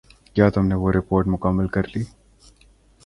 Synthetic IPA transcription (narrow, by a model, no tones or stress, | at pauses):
kjaːt̪ʊmneʋoːɾɪpoːɾʈmʊkəmːəlkɐɾliː